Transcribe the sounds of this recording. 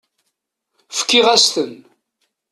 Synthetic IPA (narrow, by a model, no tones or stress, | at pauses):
fə̥kːɪʁæst̪ən